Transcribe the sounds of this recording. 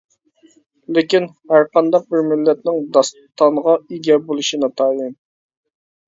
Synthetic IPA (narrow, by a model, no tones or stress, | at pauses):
lɪkʲin | hæɾqʰɑnd̪ɑq̚bɪɾmɪlːɛt̪̚nɪŋd̪ɑs | t̪ʰːɑɴʁɑiɡʲɛbolˠuʃinɑt̪ʰɑjɨm